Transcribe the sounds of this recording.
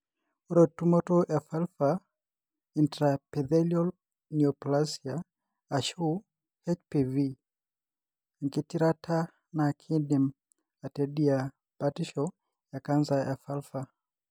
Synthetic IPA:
oɾɔtumɔtɔʔɛfɛlfa | intɾapɛðɛliɔl | niɔplasiaː | ʃu | hɛt͡ʃpivi | aŋkitiɾatʰa | nakʰidim | atɛɗia | batiʃɔ | jakanzaʔɛfɛlfa

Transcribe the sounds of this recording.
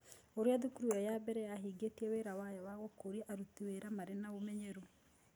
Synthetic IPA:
oɾeaðukuɾuɛjabɛɾɛjaɦiɡetiɛweɾawajɔwaɣokoɾiaʔaɾutiweɾamaɾenaomɛɲeɾu

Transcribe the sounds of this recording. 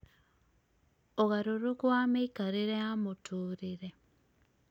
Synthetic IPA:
oɣaɾoɾokwameikaɾiɾeamotʰuːɾiɾe

